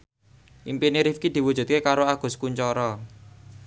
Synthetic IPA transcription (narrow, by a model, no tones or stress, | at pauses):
ʔimpiniɾifkid̪̥i̤wud̥ʒ̥ṳt̪̚kekaɾoaɡ̥ʊ̤skuɲt͡ʃɔɾɔ